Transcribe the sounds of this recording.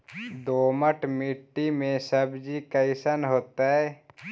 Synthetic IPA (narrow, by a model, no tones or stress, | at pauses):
d̪oːməʈmɪʈːimẽsəbd͡ʒikaɪsənɦoːt̪aɦɛː